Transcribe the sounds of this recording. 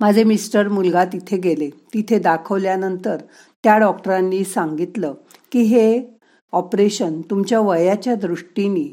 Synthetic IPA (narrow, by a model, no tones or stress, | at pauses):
mad͡zʱemisʈəɾmulɡat̪it̪ʰeɡelet̪it̪ʰed̪akʰəʋljanənt̪əɾ | t̪jaɖɔkʈəɾãnːiːsãŋɡit̪lə | kiɦe | ɔpɾeɕənt̪umt͡ɕjaʋəjat͡ɕjad̪ɾuʂʈiniː